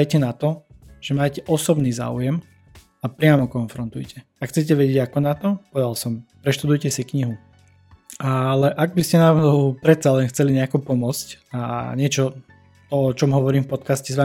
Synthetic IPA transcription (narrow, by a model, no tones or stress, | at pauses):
ajcɛnat̪ɔʒ̥ɛmaːcɛʔɔsɔbniːza̰ːṵjɛm | apɾɪamɔkɔnfɾɔnt̪ujcɛ | akxt͡sɛc̬ɛʋɛɟɛɟakɔnat̪ɔpɔd̪alsɔmpɾɛʃt̪ud̪ujcɛsikɲiɦu | alɛʔaɡ̚biscɛnaɦɔʊpɾɛt̪̚t͡salɛnxt͡sɛliɲɛakupɔmʊɔt͡scaɲɪɛt͡ʃɔ | t̪ɔɔt͡ʃɔmɦɔʋɔɾiːmfpɔt̪kascɛzʋa